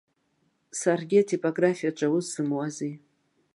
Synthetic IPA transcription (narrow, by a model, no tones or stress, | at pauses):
sarɡʲɪatʰipʼoɡrafijaʈ͡ʂʷʼawʊzsɨmwazi